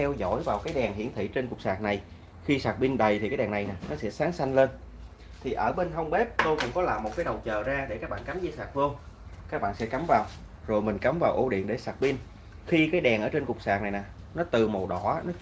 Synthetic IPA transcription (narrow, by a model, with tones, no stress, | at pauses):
ɛ˧wzɔ̰˧˥jvaː˨˩wkaː˨˦jɗɛ˨˩ŋɦi˧˥ənt̪ʰḭ˧˩˨t͡ɕe˧nkʊ˨˩k͡p̚saː˨˩k̚na˨˩j | xi˧saː˨˩k̚ɓi˧nɗə˨˩jt̪ʰi˨˩kaː˨˦jɗɛː˨˩na˨˩jnaː˨˩nɔ˨˦sɛ̰˧˥saː˨˦ŋsa˧jŋ̟le˧n | t̪ʰi˨˩ʔəː˧˩ɓe˧nɦə˧wŋ͡mɓe˦˥p̚t̪o˧jkʊ̰˧˥ŋ͡mkɔ˨˦laː˨˩mːo˨˩t̚kaː˨˦jɗə˨˩wt͡ɕəː˨˩zaː˧ɗe˧˩kaː˦˥k̚ɓa̰ː˧˨nka˨˦mzɨ˧saː˨˩k̚vɨ˧əŋ | kaː˦˥k̚ɓa̰ː˧˨nsɛ̰˧˥ka˨˦mvaː˨˩w | zo˨˩jmï˨˩ŋ̟ka˨˦mvaː˨˩wʔo˧˩ɗḭ˧˨ənɗe˧˩saː˨˩k̚ɓi˧n | xi˧kaː˨˦jɗɛ˨˩ŋʔəː˧˩˦t͡ɕe˧nkʊ˨˩k͡p̚saː˨˩k̚na˨˩jnaː˨˩ | nɔ˨˦t̪ɨ˨˩mo˨˩wɗɔ˧˩˧nɔ˨˦